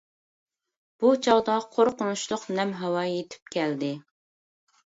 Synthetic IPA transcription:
b̥ut͡ʃʰɑʁd̪ɑqʰoɾqʊnuʃlˠʊqnɛmɦɛwɑjet̪ʰɪ̥p̚kʲʰɛld̪ɪ

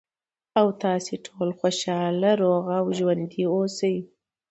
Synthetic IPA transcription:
awt̪ɑseʈʰolxoʃɑlaɾoɣawʒwand̪iosəj

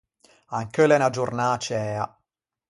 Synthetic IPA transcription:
aŋkəlenad͡ʒurnaːt͡ʃɛːa

